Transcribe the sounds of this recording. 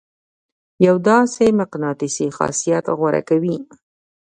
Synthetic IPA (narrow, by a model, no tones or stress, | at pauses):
jawd̪ɑsemaqnɑt̪isixɑ̰sijat̪ɣwaɾa̰kawi